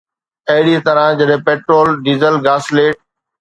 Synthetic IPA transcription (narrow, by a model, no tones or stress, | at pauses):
ɐɦɪɽit̪ɐɾãd͡ʑɐɗɦɪ̃peːʈɾoːlɖiːzəlɡaːsleːʈ̚